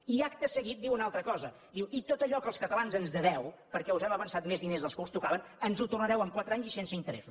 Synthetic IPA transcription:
iakt̪əsəɣit̪̚d̪iwunalˠt̪ɾəkɔzə | d̪iwit̪ot̪əʎɔkəlˠskət̪əlanzənzðəðɛwpəɾkɛuzɛməβənsat̪mezðinezðəlˠskust̪ukaβənənzut̪urnəɾɛwəmkwat̪ɾəaɲzisensəint̪əɾɛ̰sus

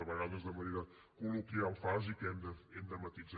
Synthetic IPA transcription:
əβəɣaðəzðəməneɾə | kuluk̪ɾialˠfazikɛmd̪əɛmd̪əmət̪id͡z

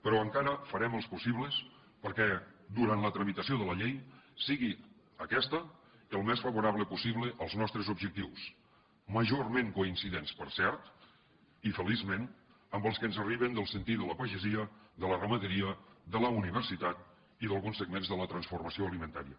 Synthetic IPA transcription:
pəɾɔəŋkaɾəfəɾɛməlˠspusiβləs | pəɾkɛd̪uɾant̪lət̪ɾəmit̪əsioðələʎejsiɣi | əkɛst̪ə | əlˠmɛsfəβuɾaβləpusiβləʔəlˠznɔst̪ɾəzubʒək̚t̪iws | məʒormeŋkuinsiðenspəɾsɛɾt̪ | ifəlizmen | əmbəlˠskənzəriβənd̪əlˠsənt̪it̪ələpəʒəziəðələrəməðəɾiəðələuniβərsit̪at̪̚ | iðəlˠɣunsəɡmenzðələt̪ɾənsfurməsioəlimənt̪a̰ɾḭə

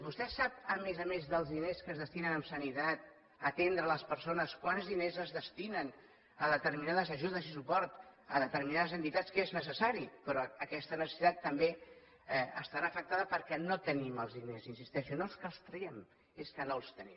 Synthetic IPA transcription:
bust̪ɛsapəmezəmezðəlˠzðineskəzð̞əst̪inənəmsənit̪at̪̚ | ət̪end̪ɾələspəɾsonəskwanzðinezəzðəst̪inən | əðət̪əɾminaðəzəʒuðəzisupɔɾt̪əðət̪əɾminaðəzənt̪it̪askeznəs̬əsaɾipɾɔəkɛst̪ənəsəsit̪at̪ːəmbe | ɛəst̪aɾaːfək̚t̪aðəpəɾkɛnot̪əniməlˠzðinezinsist̪ɛʃiunolˠskəlˠst̪ɾəɛm | eskənolˠst̪ənim

